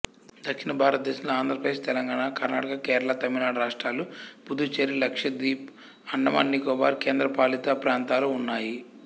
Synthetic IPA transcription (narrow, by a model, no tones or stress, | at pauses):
d̪ɐkʂinɐbʱaːɾɐt̪̚d̪eːsumlɐaːnd̪ʱɾɐpɾɐd̪eːst̪ɛlɐŋɡaːɳakɐɾnaːʈɐkɐkeːɾɐlat̪ɐmiɾnaːɽɐɾaːʂʈɾaːlupud̪ut͡ʃeɾilɐkʂɐd̪iːp | ɐɳːɐmɐ̰ːnːikɔːba̰ːɾkeːnd̪ɾɐpaːlit̪apɾaːnt̪aːluunːaːji